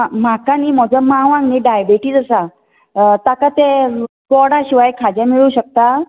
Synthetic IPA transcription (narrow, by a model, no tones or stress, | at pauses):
m̤akaniːm̤ɔd͡zəmãʋãŋɡniɖajbeʈiːd͡zəsa | t̪akat̪e | kɔɽaɕiʋajkʰad͡ʑãmiɭuːɕək̚t̪a